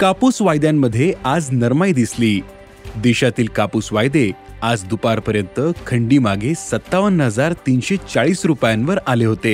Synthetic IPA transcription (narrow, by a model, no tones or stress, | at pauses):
kapuːsʋajd̪jamːəd̪ʱːjead͡znəɾmajd̪isliː | d̪eɕat̪iːlkapusʋajd̪ead͡zd̪upaɾpəɾjənt̪əkʰəɳɖiːmaɡʱesət̪ːaʋənɦəd͡zaɾt̪iːnɕet͡saɭiːsɾupjãnʋəɾaleɦot̪e